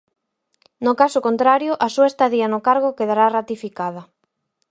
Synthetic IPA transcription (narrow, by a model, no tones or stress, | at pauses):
nʊkasʊkont̪ɾaɾjʊʔasuaest̪aðianʊkaɾɣ̞okeðaɾarat̪ifikað̞ɐ